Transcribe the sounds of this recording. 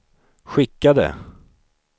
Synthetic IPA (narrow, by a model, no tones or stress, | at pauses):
ɧɪkːad̪ə̰